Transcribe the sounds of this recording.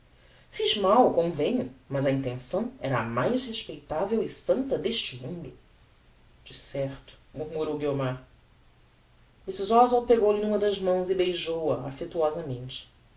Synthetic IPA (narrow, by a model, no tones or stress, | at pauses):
fiʒmawkõvẽɲʊmɐzɐĩnt̪ẽsɐ̃w̃ɛɾɐɐmajʃheʃpejt̪avewɪsɐ̃nt̪ɐd̪eʃt͡ʃɪmũnd̪ʊ | d͡ʒɪsɛɾt̪ʊ̥muɾmuɾowɡiomaɾ | misizɔzwapeɡowlɪnũmɐd̪ɐʒmɐ̃w̃zɪbejʒowɐafet̪uɔzɐmẽnt͡ʃɪ̥